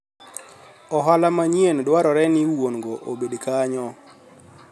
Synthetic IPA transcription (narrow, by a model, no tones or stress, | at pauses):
ɔɦalamaɲjendwaɾɔɾɛnɪwonɡoʔobedkaɲɔ